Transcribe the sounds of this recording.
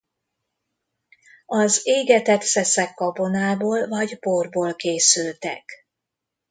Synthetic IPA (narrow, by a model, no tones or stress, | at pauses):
ɒzeːɡɛt̪ɛt̪sɛsɛkːɒbo̞naːboːlvɒɟborboːlkeːsylt̪ɛ̰k